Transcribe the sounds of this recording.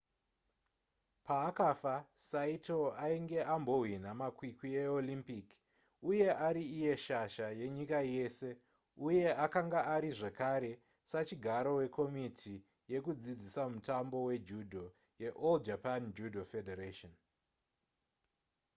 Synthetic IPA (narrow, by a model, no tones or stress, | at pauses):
paːkafasaito̞aiŋɡe̞ambo̞ɦwin̤amakwikieolimpik | uje̞ʔaɾiːje̞ʃaʃaje̞ɲikaje̞se̞ | uje̞ʔakaŋɡaaɾiʐekaɾe̞ | sat͡ʃiɡʱaɾo̞we̞kʰo̞mitʰi | je̞kud͡zid͡zisamutambo̞we̞d͡ʒudʱo̞ | je̞ʔold͡ʒapand͡ʒudʱofedeɾaʃon